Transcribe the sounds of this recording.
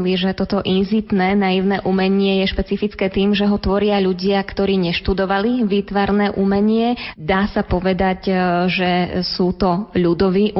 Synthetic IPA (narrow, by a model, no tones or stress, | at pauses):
liʒɛt̪ɔt̪ɔʔinzit̪nɛːnajiʊnɛːʔumɛɲɪɛjɛʃpɛt͡sifit͡skɛːt̪iːmʒɛɦɔt̪ʋɔɾɪaʎuɟɪakt̪ɔɾiːɲɛʃt̪ud̪ɔʋaliʋiːt̪ʋaɾnɛːʔumɛɲɪɛd̪aːsapɔʋɛd̪aɟʒɛsuːt̪ɔʎud̪ɔʋiːʔ